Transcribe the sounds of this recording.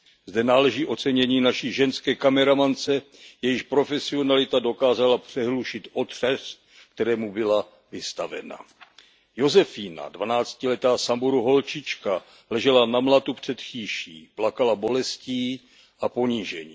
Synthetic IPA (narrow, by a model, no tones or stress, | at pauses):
zdɛnaːlɛʒiːʔo̞t͡sɛɲɛɲiːnaʃiːʒɛnskɛːkamɛɾamant͡sɛ | jɛjɪʃpɾo̞fɛsɪo̞nalɪt̪ado̞kaːzalapr̥ɛɦluʃɪt̪ʔo̞t̪r̝̥ɛst̪̚ | k̚t̪ɛɾɛːmubɪla | vɪst̪avɛ̰na̰ | jo̞zɛfiːna̰dvanaːt͡scɪlɛt̪aːsambuɾuɦo̞lt͡ʃɪt͡ʃka | lɛʒɛlanamlat̪upr̝̥ɛt̪xiːʃḭːplakalabo̞lɛsciː | ʔapo̞ɲiʒɛɲḭː